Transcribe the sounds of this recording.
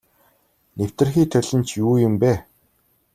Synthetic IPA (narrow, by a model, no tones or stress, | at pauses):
new̥t̪ɘ̆rxiːt̪ʰœɮʲɘ̆nt͡ɕʰjuːjʊmpæː